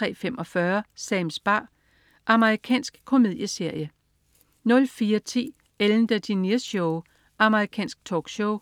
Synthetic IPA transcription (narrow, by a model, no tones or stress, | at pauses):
t͡sʁɛ̰ːfemɒ̽fɶɐsɛɪmsb̥ɑ̰̈ː | ʔɑ̈məʁikʰɛ̰ːnsɡ̥kʰo̝me̝ð̞̰ˠjəse̝ɐ̰jə | nɔ̽lfiːɐt͡sʰḭː | eln̩d̥əd̥iniɐsoʊ | ʔɑ̈məʁikʰɛ̰ːnsɡ̥̚t͡sʰɒ̰ːɡ̥ɕoʊ